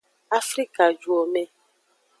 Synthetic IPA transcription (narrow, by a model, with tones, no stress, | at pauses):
a˦fɾi˦ka˨d͡ʒu˨o˨mɛ̃˨